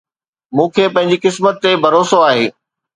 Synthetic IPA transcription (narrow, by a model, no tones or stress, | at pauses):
mũːkʰeːpɐ̃ɦɪ̃ɲ̆d͡ʑikɪsmət̪ːebʱɐɾoːsoaːɦḛː